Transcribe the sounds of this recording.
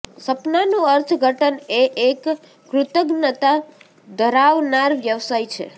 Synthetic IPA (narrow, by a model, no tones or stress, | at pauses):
səpnanũəɾt̪ʰɡʱəʈəneʔekː | ɾʊt̪əɡnət̪a | d̪ʱəɾaʋnaɾʋjəʋsajt͡ʃʰḛ